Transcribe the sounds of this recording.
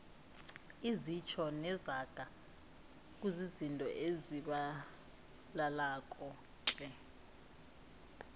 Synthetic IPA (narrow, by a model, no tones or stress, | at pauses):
izit͡ʃʰɔnɛzaɡ̥ʱa | k̬ʼuzizintʼɔ̰ʔeziɓa | lalakʼɔ | ǁʼɛ